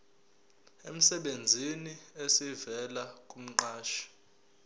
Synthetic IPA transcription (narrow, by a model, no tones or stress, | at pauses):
em̩sɛɓend͡zʱiniesivɛlakʼum̩ǃaːʃi̥